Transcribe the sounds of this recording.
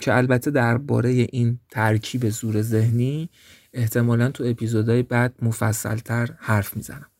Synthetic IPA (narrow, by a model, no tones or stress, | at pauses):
cʰeælbæt̪ʰːe̞d̪æɾbɒ̰ːɾe̞je̞ʔint̪ʰæɾcʰiːbe̞zuːɾe̞ze̞hniː | e̞ht̪ʰe̞mɒːlænt̪ʰue̞pʰizod̪ɒːjebæd̪̥̚mofæ̰sːæ̰lt̪ʰæɾhæɾfmiːzæ̰næm